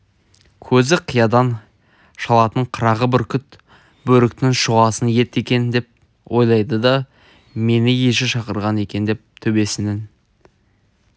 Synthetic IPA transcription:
kʲʰɵzɪqʰijɑd̪ɑn | ʃɑlˠɑt̪əɴqʰəɾɑʁəbɪɾkʲʰʏt̪ | bɵɾɪk̚t̪ɪŋʃʊʁɑsənje̞t̪e̞kʲe̞nd̪e̞p̚ | wʔo̞jlˠɑjd̪əd̪ɑ | me̞nɪje̞ʃɪʃɑqəɾʁɑne̞kʲe̞nd̪e̞p̚t̪ʰɵbe̞sɪnɪn

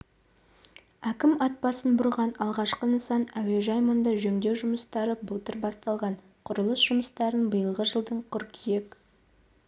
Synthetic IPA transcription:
ækʲɪmɑt̪̚pɑsənbʊɾʁɑnɑlˠʁɑʃqənəsɑnæwe̞ʒɑjmond̪ɑʒɵŋd̪e̞wʒʊməst̪ɑɾəbəlˠt̪əɾbɑst̪ɑlˠʁɑn | qʰʊɾəlˠəsʒ̥ʊməst̪ɑɾənbəjəlˠʁəʒəlˠd̪əɴqʰʊɾkʰije̞k

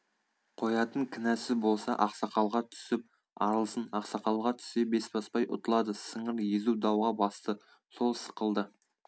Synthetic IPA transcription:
qʰo̞jɑt̪əŋkʲʰɪnæsɪbo̞lˠsɑʔɑqsɑqɑlˠʁɑt̪ʰʏ̥sɪp̚ | ɑɾəlˠəsənɑqsɑqɑlˠʁɑt̪ʰʏ̥se̞be̞sbɑspɑjʔʊ̰t̪əlˠɑd̪əsəɴəɾjezud̪ɑwʁɑbɑst̪ə | so̞lˠsə̥qəlˠd̪ə

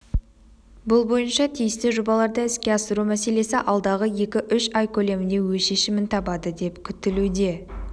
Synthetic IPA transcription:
bʊlˠbo̞jənʃɑt̪ʰijɪst̪ɪʒobɑlˠɑɾd̪əɪskʲe̞ɑsəɾumæse̞le̞sɪʔɑlˠd̪ɑʁəje̞kʲɪʔʏʃɑjkʲʰɵle̞mɪnd̪e̞wɵʃe̞ʃɪmɪnt̪ʰɑbɑd̪əd̪e̞pkʲʰʏt̪ɪlud̪e̞

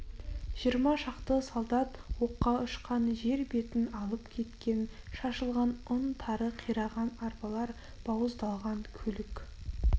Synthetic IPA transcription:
ʒ̥ijəɾmɑʃɑqt̪əsolˠd̪ɑt̪wo̞qːɑʊʃqɑnʒe̞ɾbe̞t̪ɪnɑlˠəpkʲʰe̞t̪kʲe̞nʃɑʃəlˠʁɑnʊnt̪ʰɑɾəqʰijɾɑʁɑnɑɾpɑlˠɑɾ | b̥ɑwəzd̪ɑlˠʁɑŋkʲʰɵlɪkʲ

